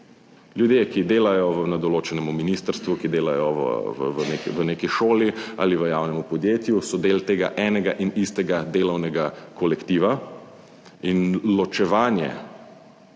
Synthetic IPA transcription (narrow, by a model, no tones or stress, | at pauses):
ljud̪jekid̪eːlajɔʋənad̪ɔloːt͡ʃɛnɛmuminiːst̪əɾst̪ʋukid̪eːlajɔʋ̰ʋʋnekʋəneːkiʃoːlia̰ːliʋəjaːwnɛmupɔd̪jeːt̪jusɔd̪eːlt̪eːɡa̰ʔɛːnɛɡaʔinist̪ɛɡad̪eːlɔwnɛɡakɔlɛkt̪iːʋa | inlɔt͡ʃɛʋaːnjɛ̰